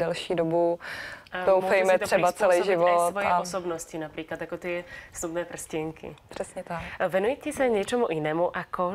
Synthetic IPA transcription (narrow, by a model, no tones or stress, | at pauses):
dɛlʃiːdobu | owmfɛjmɛt̪ɾ̥ɛbat͡sɛlɛjʒɪvott̪vʋɔjɛaɔsɔbnɔscinapɾiːklad̪jakɔt̪ɪɛsnubnɛːpr̩sciŋkḭpr̥ɛsɲɛt̪akvɛnujɛcɛsaɲɛt͡ʃɛmuʔinɛːmuʔakɔ